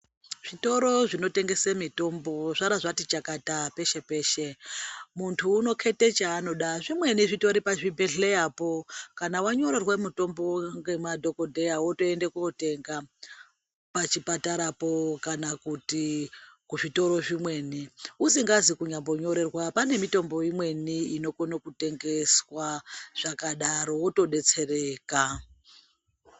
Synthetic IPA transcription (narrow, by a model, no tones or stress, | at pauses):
ʐ̥ito̞ɾo̞ʐino̞te̞ŋɡe̞semito̞mbo̞ʐaɾaʐatit͡ʃakatape̞ʃe̞pe̞ːʃemuntʰuːno̞kʰe̞tet͡ʃaːno̞ɗaʐimwe̞niʐito̞ɾipaʐibʱe̞ɮejapo̞kanawaɲo̞ɾe̞rwemuto̞mbo̞ŋɡe̞madʱo̞ko̞dʱe̞jawoto̞endekunote̞ŋɡa | pat͡ʃipataɾapo̞kanakutikuʐito̞ɾo̞ʐimwe̞niusiŋɡazikuɲambo̞ɲo̞ɾe̞rwapane̞mito̞mbo̞imwe̞niino̞konokute̞ŋɡe̞swaʐ̥akaɗaɾo̞woto̞ɗe̞t͡se̞re̞ːka